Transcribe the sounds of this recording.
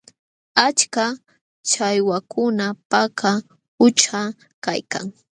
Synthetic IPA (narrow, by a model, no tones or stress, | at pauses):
at͡ʃka | t͡ʃajwakʰʊnapaka | ʊt͡ʃa | kajka̰ŋ